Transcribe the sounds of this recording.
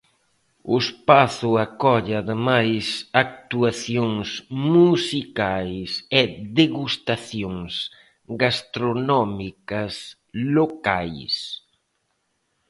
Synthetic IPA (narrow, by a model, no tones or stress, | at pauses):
ʊspaθʊakɔʎaðɪmajsak̚t̪uaθjoŋsmusikajsɛðeɣust̪aθjoŋs | ɡast̪ɾonɔmikɐs | lokajs